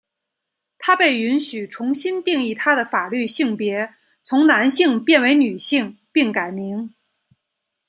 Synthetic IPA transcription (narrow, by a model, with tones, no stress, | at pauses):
t̪ʰa˥pe˥˩ɪy˧˥nɕy˨˩ʈ͡ʂʰʊ˧˥ŋɕi˥nt̪i˥˧ŋi˥˩t̪ʰa˥d̪ə˨fa˨˩ly˥˧ɕi˥˩ŋpjɛ˧˥ | t͡sʰʊ˧˥ŋna˧˥nɕi˥˧ŋpjɛ˥˩nwe˧˥ɪny˨˩ɕi˥˩ŋpi˥˩ŋka˨˩ɪmi˧˥ŋ